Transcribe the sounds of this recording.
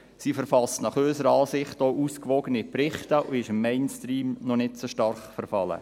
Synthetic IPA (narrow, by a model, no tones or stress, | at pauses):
siːfəɾfɑstnɑχøːsəɾəɑːsɪχtouːskʋɔɡənipɾɪχtəʔʊɪʃɪmːɛɪnstriːmnɔnɪtt͡suʃtɑɾχfəɾfɑlə̰